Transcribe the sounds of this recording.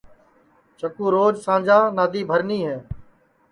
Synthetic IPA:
t͡ʃəkũːɾoːd͡ʒsãːnd͡ʒaːnaːd̪iːbʱəɾniːɦɛː

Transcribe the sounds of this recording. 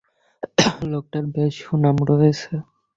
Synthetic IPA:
lok̚ʈaɾbeʃunamɾoet͡ɕʰe

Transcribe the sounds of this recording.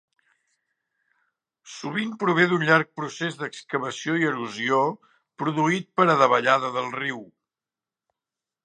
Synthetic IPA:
suβ̞impɾuβ̞eðunʎaɾk̚pɾusezðəkskəβəsioiəɾuzio | pɾuðuit̪̚pəɾəðəβəʎaðəðəlˠriw

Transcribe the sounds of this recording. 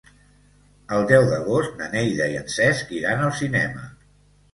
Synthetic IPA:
əlˠd̪ɛwðəɣost̪nənejðəiənsɛskiɾanəlˠsinɛmə

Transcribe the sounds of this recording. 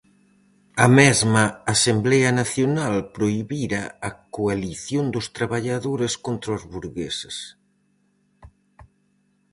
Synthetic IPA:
ɐmɛzmɐasemblɛɐnaθjonalpɾoiβiɾɐɐkoaliθjond̪ʊst̪ɾaβaʎaðoɾeskont̪ɾozβuɾɣḛsɪs

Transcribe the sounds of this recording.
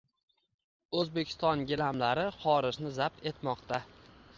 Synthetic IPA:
ɵzbe̞kʲʰɪ̥st̪ɒnɡʲɪlamlaɾɪχɒɾɪʒnɪzap̚t̪ʰe̞t̪mɒqt̪a

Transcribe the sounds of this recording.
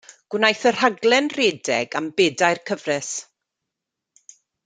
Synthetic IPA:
ɡ̥wnajθər̥haɡlˠɛnreːdɛ̰ɡambɛːdajrkʰəvrɛs

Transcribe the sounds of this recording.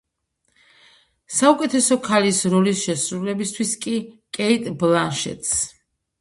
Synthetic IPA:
saukʼɛt̪ʰɛsɔkʰalisɾɔlisʃɛsɾulɛbist̪ʰwiskʼikʼɛit̪ʼblanʃɛ̰t̪ʰʼs

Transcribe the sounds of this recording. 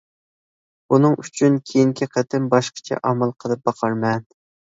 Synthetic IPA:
unɨŋyt͡ʃʰynkʲʰejiŋkʲʰiqʰət̪ʰɪmbɑʃqə̥t͡ʃʰɛ̰ʔɑmɑlˠqʰəlˠɨp̚bɑqʰɑɾmɛn

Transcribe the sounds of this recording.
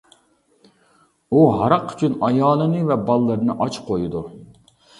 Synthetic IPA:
uɦɑɾɑqy̥t͡ʃʰynɑjɑːlˠɨnɨvɛbɑlˠːɨɾɨnɨʔɑt͡ʃqʰojud̪u

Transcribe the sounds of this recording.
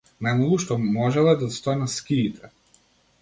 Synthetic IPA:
najmalˠuʃt̪ɔmɔʒɛlˠɛd̪ast̪ɔɛnaskʲiːt̪ʰɛ

